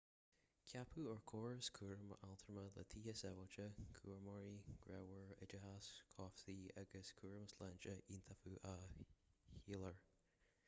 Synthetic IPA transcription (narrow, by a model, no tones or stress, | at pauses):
kʰjapʰuəɹkʰoːɹskʰuːɹəmʔalˠt̪ʰəɹmələ̰t̪ʰiːəsɛvɔt͡ʃəkʰṵːɹmɔɹiɡ̥ɹɛwəɹɪ̰d͡ʒəhaskʰɔfsiaɡəskʰuːɹəmslɛnt͡ʃəʔint̪ʰafuʔa | hiləɹ